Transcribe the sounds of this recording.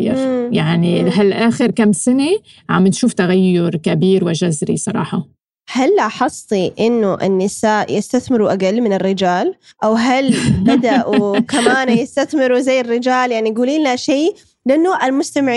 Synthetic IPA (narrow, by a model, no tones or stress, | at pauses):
ɪ̰ɾjaʕniɦalʔaːxɪɾkamːsɪne | ʕamɪnʃuːft̪aɣajːʊɾkabiːɾwɪʒazɾḭsˤɑɾˤɑ̰ːħɑ | halːʔɑħɑsˤːiʔɪnːʊʔɪ̰nːɪsaːʔjɪst̪aθmɪɾuʔaɡalːmɪnɪrːɪd͡ʒaːl | ʔawɦalbad̪aʔukamaːnjɪst̪aθmɪɾuzajːɪrːɪd͡ʒaːljaʕnijɡuːliːnaʃeː | lɪʔɪnːoːʔalmʊst̪amɪʕ